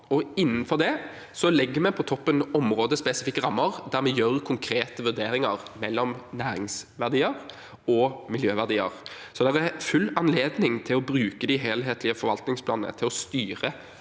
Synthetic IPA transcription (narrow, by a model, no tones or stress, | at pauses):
ɔɪnːən̩fɔʁd̪ɛ | sɔlɪɡːəmɛpʰɔt̪ʰɔpːənɔmɾoːd̪əspɛsɪfɪkːəʁɑmːəʁd̪æʁɾmɛjøːɾkʰʊŋkʰɾeːt̪əʋʉʁd̪eːɾɪŋɑʁmɛlːɔmnæːɾɪŋsʋæʁd̪iːəʁ | ɔmɪljøːʋæʁd̪iːə̰ʁ | sɔd̪ɛʁæfʉlːɑnleːd̪nɪŋt̪ʰɪlɔbɾʉːkəd̪ɪɦeːlɦeːt̪ʰlɪəfɔɾʋɑlt̪nɪŋspʰlɑːnnə̰t̪ʰɪlɔst̪yːʁə